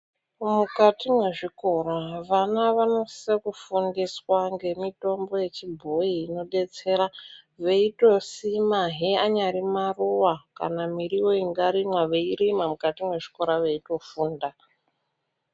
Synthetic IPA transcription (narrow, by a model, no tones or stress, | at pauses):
mukatimwe̞ʐiko̞ɾaʋanaʋano̞sekufundiswaŋɡe̞mito̞mbo̞je̞t͡ʃibʱo̞iːno̞ɗe̞t͡se̞ɾaʋe̞ito̞simaɦiaɲaɾimaruwaka̰namiɾijo̞iŋɡaɾimwaʋe̞iɾimamukatimwe̞ʐi̥ko̞ɾaʋe̞ito̞fuːnda